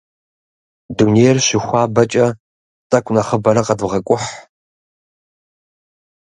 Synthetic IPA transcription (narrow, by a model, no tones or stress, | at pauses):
duneːjɛrɕɪxʷɑːbɐt͡ʃʼɐ | tʼɐkʷʼnɐχəbɐɾɐqɐdʁɐkʷʼʊħ